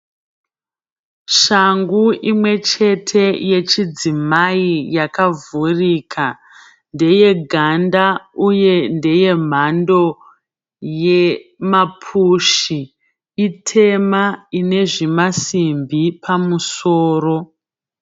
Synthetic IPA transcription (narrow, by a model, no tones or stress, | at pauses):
ʃaŋɡuʔimwe̞t͡ʃe̞tʰe̞je̞t͡ʃid͡zimaijakavuriːkʰa | nde̞je̞ɡʱandauje̞nde̞je̞m̤ando̞ | je̞mapʰuʃi | itʰe̞maine̞ʐimasimbipʰamusoːro̞